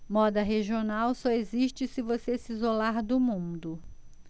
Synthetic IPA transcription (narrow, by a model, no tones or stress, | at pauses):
mɔd̪ɐɦeʒionawsɔeziʃt͡ʃɪsɪvosesizolaɾd̪ʊmũd̪ʊ